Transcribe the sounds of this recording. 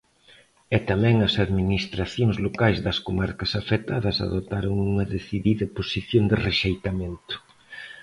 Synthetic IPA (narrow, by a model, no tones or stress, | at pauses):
ɛt̪amɛ̃ŋɐsaðminist̪ɾaθjoŋzlokajzðɐskomaɾkɐsafet̪aðɐsa̰ðot̪aɾoŋuŋɐðeθiðiðɐposiθjoŋd̪ɪreʃejt̪ament̪ʊ̥